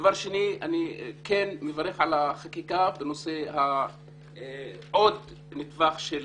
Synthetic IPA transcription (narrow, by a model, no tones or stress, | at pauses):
vaʁʃenianikenmevaʁeχʕalaχakikabeno̞seha | ʔod̪ | nit̪vaχʃel